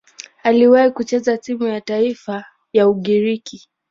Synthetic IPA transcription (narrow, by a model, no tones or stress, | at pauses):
aliwahikut͡ʃɛzatimujataifa | jauɠiɾiki